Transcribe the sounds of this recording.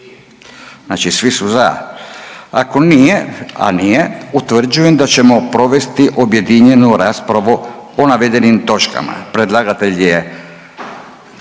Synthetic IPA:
znaːt͡ʃisʋisuza | ako̞nijea̰nije̞ut̪ʋr̩d͡ʑuje̞md̪at͡ɕe̞mo̞pɾo̞ʋe̞st̪iʔo̞bje̞d̪iɲe̞nuɾaːspɾaʋuonaʋe̞d̪e̞nimt̪o̞t͡ʃka̰ma̰pɾe̞d̪lˠaɡat̪e̞ʎje

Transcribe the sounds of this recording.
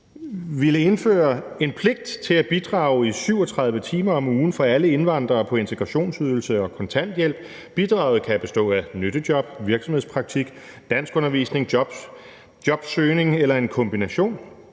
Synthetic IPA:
ʋiləe̝nfø̰ːɐ | e̝npʰle̝ɡ̥̚d̥t͡sʰe̝læb̥id̥ʁɑ̈ʊisyʊ̰ɒt͡sʰʁɑ̈ðˠʋət͡sʰiːmɐɒ̽muːn̩fɒ̽æləe̝nʋɑ̈n̰d̥ʁɐːpʰɒ̽e̝nt͡sʰeɡ̥ʁɑɕo̝̰ːnsyð̞ˠl̩səɒ̽kʰɒ̽nt͡sʰæn̰d̥jel̰b̥̚ | b̥id̥ʁɑ̈ʊð̩ˠkʰæb̥e̝sd̥ɔ̰̽ːænøɾ̥əd̥jɒ̽b̥ʋiɐɡ̥sɒ̽mheðˠspʰʁɑ̈ɡ̥̚t͡sʰiɡ̥d̥æn̰sɡ̥ɔ̽nɐʋḭːsne̝ŋ̥ | jɒ̽b̥søːne̝ŋelɐe̝nkʰɒ̽mb̥inæɕo̝̰ːn

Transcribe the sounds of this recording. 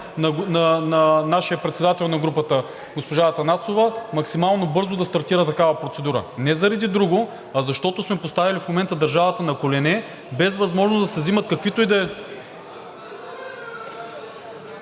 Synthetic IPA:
nɐnɐnɐnaʃijəpɾɛt̪sɛd̪at̪ɛlˠnɐɡɾupət̪ə | ɡospoʒat̪ɐnasovɐmɐksimalˠnobɤɾzod̪ɐst̪ɐɾt̪iɾət̪ɐkavɐpɾot̪sɛd̪uɾə̰nɛzɐɾɐd̪id̪ɾuɡo | ɐzɐʃt̪ɔt̪osmɛpost̪avilifmomɛnt̪əd̪ɐɾʒavɐt̪ənɐkolɛnɛ | bɛzvɐzmɔʒnozd̪ɐsɛzimɐt̪̚kɐkvit̪oid̪ɛ

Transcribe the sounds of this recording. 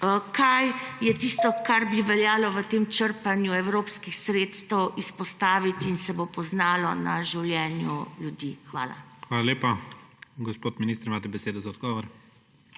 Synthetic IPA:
kʰajːɛt̪iːst̪ɔkaɾbiʋɛljaːlɔʋət̪eːmt͡ʃəɾpanjuɛwɾoːpskixsɾeːt̪st̪ɛwispɔst̪aːʋit̪iinsɛbopɔznaːlɔna̰ʒiwljɛːnjṵljud̪iːxʋaːla̰xʋaːlaleːpaɡɔspoːt̪minist̪ɾimaːt̪ɛbɛseːd̪ɔzaɔd̪̚ɡɔːʋɔɾ

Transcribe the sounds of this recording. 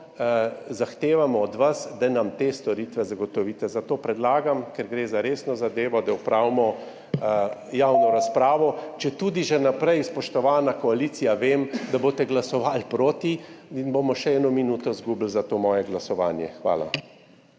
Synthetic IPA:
zaxt̪eːʋamɔːd̪ʋasd̪anamt̪eːst̪ɔɾit̪ʋɛzaɡɔt̪ɔʋiːt̪ɛzat̪oːpɾɛd̪laːɡamkɛɾɡɾeːzaɾeːsnɔzad̪eːʋɔd̪awpɾawmɔ | jawnɔɾaspɾaːʋɔt͡ʃɛt̪ud̪iʒɛnapɾɛjspɔʃt̪ɔʋaːnakɔaliːsijaʋeːmd̪aboːt̪ɛɡlasɔʋalpɾoːt̪iinbomɔʃɛɛːnɔminuːt̪ɔzɡublzat̪oːmɔːjɛɡlasɔʋa̰ːnjɛxʋa̰ːla̰

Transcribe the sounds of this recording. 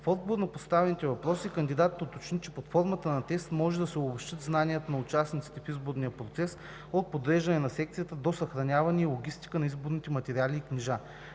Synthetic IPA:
fɔd̪̚boɾnɐpost̪avɛnit̪ɛvɐpɾɔsiːkɐnd̪id̪at̪ːot̪ot͡ʃnit͡ʃɛpɐt̪fɔɾmət̪ənɐt̪ɛst̪mɔʒɛd̪ɐsɛʊbobʃt̪ət̪znanijət̪onɐʊt͡ʃasnit̪si̥t̪ɛfizboɾnijəpɾot̪sɛs | ot̪̚pod̪ɾɛʒɐnɛnɐsɛkt̪sijət̪əd̪osɐxɾɐnʲavɐnʲiilˠoɡʲist̪i̥kənɐizboɾnit̪ɛmɐt̪ɛɾialiːkniʒa

